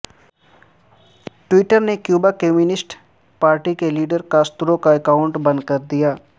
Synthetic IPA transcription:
ʈwiːʈəɾnekjuːbakeːmjunɪsʈ | paːɾʈikeliːɖəɾkast̪ʊɾokaɛkaːʊ̃ɳʈbɐ̃nd̪̚kɐɾd̪ijaː

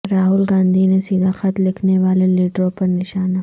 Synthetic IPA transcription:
ɾaːɦʊlɡãːnd̪ʱinesiːd̪ʱaxɐt̪lɪkʰneʋaːleliːʈɾõpɐɾnɪʃaːna

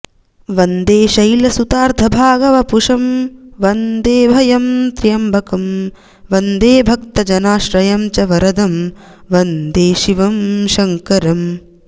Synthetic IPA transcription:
ʋɐnd̪eːʃɐjlɐsut̪aːɾd̪ʱɐbʱaːɡɐʋɐpuʂɐmʋɐnd̪eːbʱɐjɐmt̪ɾijɐmbʱɐkɐm | ʋɐnd̪eːbʱɐk̚t̪ɐd͡ʒɐnaːʃɾɐjɐmt͡ʃɐʋɐɾɐd̪ɐm | ʋɐnd̪eːʃiʋɐmʃɐŋkɐɾɐm

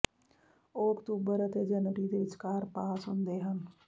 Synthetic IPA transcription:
oːkt̪uːbəɾət̪ed͡ʒənʈid̪eʋɪt͡ʃkaːɾpaːsɦʊnd̪eːɦən

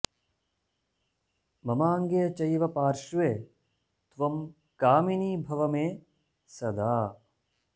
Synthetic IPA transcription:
mɐmaːŋɡejɐt͡ʃɐjʋɐpaːɾʃuʋeː | t̪ʋɐm | kaːminiːbʱɐʋɐmeː | sɐd̪aː

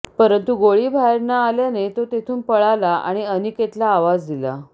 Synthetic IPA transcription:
pəɾənt̪uɡoɭiːbʱaeɾnaːljanet̪ot̪et̪ʰuːnpəɭalaʔa̰ɽ̃iəniket̪laːʋad͡zd̪ila̰

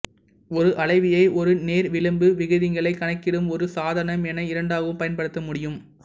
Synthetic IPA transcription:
ɔɾɯʔɐɭɐɪʋɪjɐɪʔɔɾɯneːɾʋɪɭɯmbɯʋɪɣɯðɪŋɡɐɭɐɪkːɐɳɐɪkːɪɽɯmɔɾɯsaːðɐnɐmɛnɐɪɾɐɳɖaːɣɯmpɐjɐnpɐɽɯt̪ːɐmʊɽɪjɯm

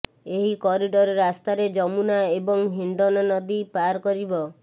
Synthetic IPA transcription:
eɦikɔɾiɖɔɾɔɾast̪aɾed͡ʒɔmunaebɔŋɦiɳɖɔnɔnɔd̪ipaɾkɔɾibɔ

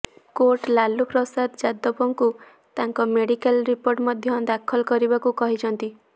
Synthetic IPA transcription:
koɾʈlalupɾɔsad̪d͡ʒad̪ɔpɔŋku | t̪aŋkɔmeɽikalɾipoɾʈmɔd̪ʱjɔd̪akʰɔlɔkɔɾibakukɔɦit͡ʃʰɔnt̪i

